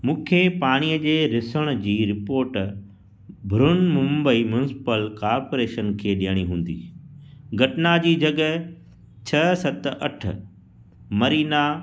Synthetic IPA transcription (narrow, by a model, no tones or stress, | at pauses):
mũːkʰepaːɽ̃iːəd͡ʑeːɾɪsəɽ̃ʊd͡ʑiːɾɪpoːɾʈ | bʱɾʊnmʊ̃mbəimjʊnɪsɪ̥pəlkaːɾpoːɾeːʃənkʰeːɗijəɽ̃iɦũːn̆d̪ḭː | ɡʱɐʈnad͡ʑiːd͡ʑɐɡə | t͡ɕʰɐsɐt̪ʔɐʈʰə̆ | mɐɾiːna